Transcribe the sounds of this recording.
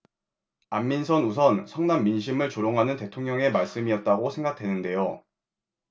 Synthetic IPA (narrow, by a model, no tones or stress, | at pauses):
amːinsʰʌnusʰʌnsʰʌŋnamːinɕ̬ʰimɯɭt͡ɕoɾoŋɦanɯnte̞tʰoŋɲʌŋe̞maɭs͈ɯmiʌt̚t͈aɡosʰe̞ŋɡak̚tʰe̞nɯnde̞jo